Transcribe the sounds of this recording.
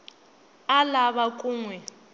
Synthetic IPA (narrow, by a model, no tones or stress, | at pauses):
alaβakʼuːŋwɛ